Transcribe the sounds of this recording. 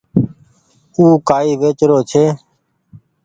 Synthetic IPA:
uːkaːiːʋeːt͡ʃɾoːt͡ʃʰeː

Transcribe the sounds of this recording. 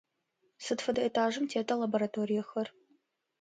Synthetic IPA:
sɨdfɐdɐetʰaːʒɨmtʰeːtʰɐlɐboɾɐtʰoːɾijɐxɐr

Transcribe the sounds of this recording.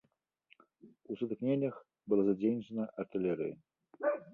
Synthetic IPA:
usɨt̪ɨknʲenʲːɐx | bɨlˠazad͡zʲejnʲt͡ʂɐnɐʔɐrt̪ɨlʲɛɾɨ̰jɐ

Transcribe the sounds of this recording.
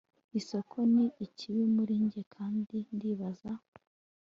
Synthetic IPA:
iso̞kʰo̞niicʰiβimuɾiːɲɟe̞kʰaːndindiːβaza

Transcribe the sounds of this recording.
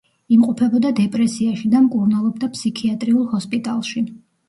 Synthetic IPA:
imqʼɔpʰɛbɔd̪ad̪ɛpʼɾɛsiaʃid̪amkʼuɾnalˠɔb̚d̪apʰsikʰiat̪ʼɾiulˠhɔspʼit̪ʼalˠʃi

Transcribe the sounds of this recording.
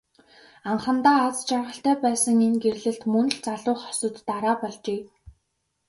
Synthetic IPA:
aɴχə̆nt̪aːt͡st͡ɕarʁə̆ɬt̪æːpæːsə̆ŋenɡerɮɘ̆ɬt̪mɵnɵ̆ɮt͡saɮʊːχɔ̥sɞ̆t̪ːaɾaːpɔɮt͡ɕeː

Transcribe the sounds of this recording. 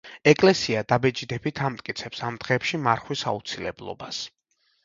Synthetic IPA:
ɛkʼlɛsiad̪abɛd͡ʒid̪ɛbit̪ʰamt̪ʼkʼit̪sʰɛpsamd̪̥ʁɛːpʃimaɾχwisa̰ut̪sʰilɛ̰blˠɔ̰bas

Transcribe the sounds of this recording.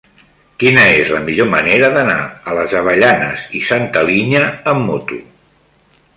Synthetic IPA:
kinəezləmiʎoməneɾəðəna̰ələzəβ̞əʎanəzisant̪əliɲəːmːot̪u

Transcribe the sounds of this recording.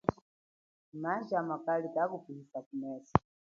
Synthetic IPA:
maʒamakalikakupihisakumɛsḁ

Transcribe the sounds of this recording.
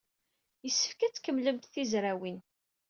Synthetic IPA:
jəsːə̥fkæt͡sːkəmːləmt̪θizɾæwin

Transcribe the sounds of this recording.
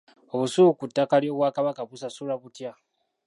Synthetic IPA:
oβusukutːakalioβwakaβakapusasulaβutja

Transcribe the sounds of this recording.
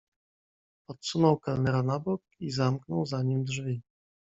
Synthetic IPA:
ɔt̪sunɔwkalnɛɾanabɔk̚izamknɔwzaɲimd̪ʐvʲi

